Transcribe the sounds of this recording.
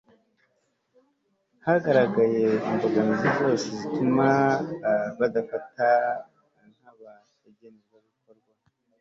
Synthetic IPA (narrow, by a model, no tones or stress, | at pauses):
haɡaɾaɡaje̞imboɡanizizo̞ːsezitʰuma | βadafata | ŋ̥haβa | eɟenezaβiko̞ɾɡwa